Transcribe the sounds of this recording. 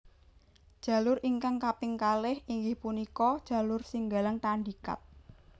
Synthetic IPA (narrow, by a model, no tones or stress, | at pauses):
d̥ʒ̥ä̤lʊɾʔiŋkaŋkapɪŋkalɪhiŋɡɪhpunikɔd̥ʒ̥a̤lʊrsiŋɡalaŋt̪aɳdika̰t̪̚